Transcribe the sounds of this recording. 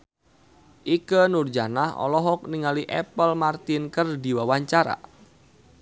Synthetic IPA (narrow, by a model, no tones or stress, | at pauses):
ʔikənurd͡ʒanahɔ̰lɔɦɔk̚niŋaliʔɛpəlmart̪ɪnkərdiwawaɲt͡ʃaɾa̰